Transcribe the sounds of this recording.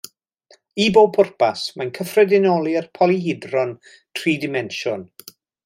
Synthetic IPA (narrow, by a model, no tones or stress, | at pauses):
iboːpʰʊrpʰasmajnkʰəfrɛdɪnɔlˠiərpʰɔliɦɪdrɔn | tʰriːdɪmɛnʃɔn